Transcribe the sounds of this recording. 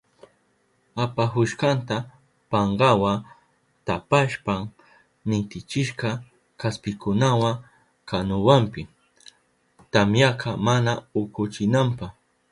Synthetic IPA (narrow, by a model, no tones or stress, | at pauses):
apaɦʊʃkɑnt̪a | pɑɴɢɑwa | t̪apaʃpaŋ | nɪt̪ɪt͡ʃɪʃqɑ | kaspɪkʊnawaŋ | kanʊwampɪ | t̪amjaqʰɑmanaʊkʊt͡ʃɪnampɑχ